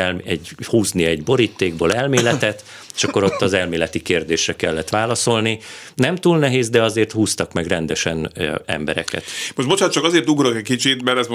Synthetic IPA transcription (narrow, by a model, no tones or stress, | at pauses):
lɛɟhuːzniɛɟbo̞ɾiːt̪ːeːɡboːlɛlmeːlɛt̪ɛt̪ | e̥ʃɒkːo̞ɾo̞t̪ːɒzɛlmeːlɛt̪ikeːrd̪eːʃrɛkɛlːɛt̪ʋaːlɒso̞lni | nɛmt̪uːlnɛɦeːzd̪ɛɒzeːrt̪huːst̪ɒkmɛɡrɛnd̪ɛʃɛnɛ̰mbɛ̰ɾɛ̰kɛ̰t̪moʃtbot͡ʃant̪̚t͡ʃɒkɒzeːrt̪uɡɾokɛc̚ʲkit͡ʃit̪mɛɾɛsm